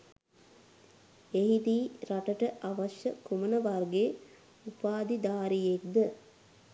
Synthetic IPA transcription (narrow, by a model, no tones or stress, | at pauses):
eɦit̪iːɾaʈəʈəʔaʋɐʃjəkumənəʋarɡe | upaːd̪id̪aːɾijek̚d̪ə